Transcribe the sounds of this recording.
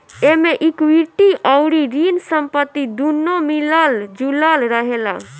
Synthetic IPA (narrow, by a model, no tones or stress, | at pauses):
emeʔikwiʈiʔɔʊɾiɾinsəmpət̪ːid̪unːomiləld͡ʒuləlɾəɦela̰